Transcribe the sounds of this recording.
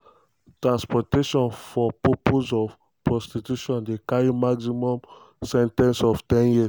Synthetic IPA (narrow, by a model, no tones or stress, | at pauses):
tɹãnspɔteʃɔ̃nfɔpɔpozɔf | pɹɔstitjuʃɔ̃ndekaɹimaɡsimɔ̃m | sɛ̃ntɛ̃nsɔftɛ̃njis